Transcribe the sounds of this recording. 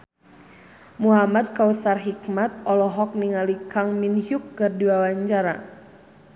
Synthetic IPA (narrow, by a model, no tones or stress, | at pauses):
muɦamad̚kausarɦik̚mat̪̚ɔlɔɦɔk̚niŋalikaŋminhukːɨrdiwawaɲt͡ʃaɾa